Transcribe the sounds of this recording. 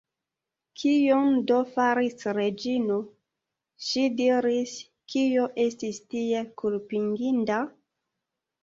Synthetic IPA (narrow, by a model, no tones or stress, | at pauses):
kʰijomdofaɾisɾed͡ʒino | ʃidiɾis | kijoʔe̞stistie̞kulpiŋɡinda